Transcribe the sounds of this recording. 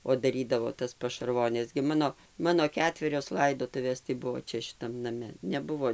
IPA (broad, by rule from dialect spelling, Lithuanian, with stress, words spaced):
oː dɐˈrʲiːdɐʋoː tɐs pɐʃɐrˈʋoːnʲɛs ɡʲɪ ˈmɑːnoː ˈmɑːnoː ˈkʲæːtʲʋʲɛrʲoːs ˈlˠɐɪdoːtʊʋʲeːs tɐɪ ˈbʊʋoː ˈt͡ʃʲɛ ʃʲɪˈtɐm nɐˈmʲɛ nʲɛˈbʊʋoː